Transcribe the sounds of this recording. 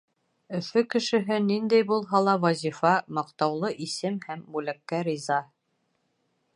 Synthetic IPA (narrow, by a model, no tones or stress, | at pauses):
ɵ̆fɵkɘ̆ʃɘ̆ɦɘnind̪æjbulˠɦɑlˠɑwɑzʲifɑmɑqt̪ɑwlˠɤʔisɘmhæmbʉlækːæɾʲizɑ